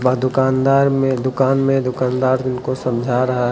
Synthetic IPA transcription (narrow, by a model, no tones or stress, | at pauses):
bad̪ʊkaːnd̪aːɾmẽd̪ʊkaːnmẽd̪ʊkaːnd̪aːɾd̪ɪnkosɐ̃md͡ʒʱaɾɐɦaɦ